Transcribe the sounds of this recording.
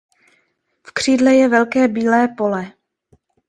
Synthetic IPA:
fkr̝̥iːdlɛjɛvɛlkɛːbiːlɛːpo̞lɛ

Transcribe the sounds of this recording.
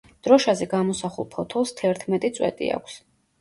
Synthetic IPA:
d̪̥ɾɔʃazɛɡamɔsaχṵlˠpʰɔt̪ʰɔlˠst̪ʰɛɾt̪ʰmɛt̪ʼit̪sʼwɛ̰t̪ʼḭa̰kʷʰs

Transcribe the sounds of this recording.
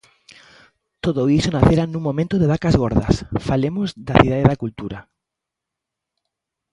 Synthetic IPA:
t̪oðoisonaθeɾanːũŋmõmẽnt̪oðeβakazɣoɾða̰sfalemozðaθiðaðeðakult̪uɾa

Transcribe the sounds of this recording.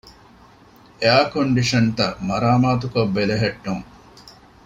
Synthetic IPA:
eaːkoɳɖiʂɐnt̪ɐmɐɾaːmaːt̪ukɐbːeleɦeʈːuŋ

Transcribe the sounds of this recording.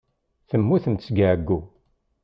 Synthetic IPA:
θəmːuθəmsɡaʕɡːu

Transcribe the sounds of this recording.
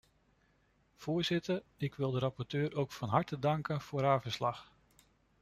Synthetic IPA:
v̥ʊːɹzɪtəɹɪkʋɪlˠdəɾɑpɔɹtøːɾʔowkfɑnɦɑɹtədɑŋkənv̥ʊːɾɦaːvəslɑχ

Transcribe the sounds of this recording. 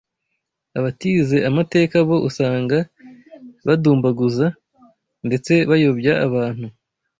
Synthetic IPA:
aβatiːze̞ʔamate̞ːkaβo̞ʔusaːŋɡa | βaduːmbaɡuza | nde̞t͡se̞βajo̞bjaʔaβaːn̥u

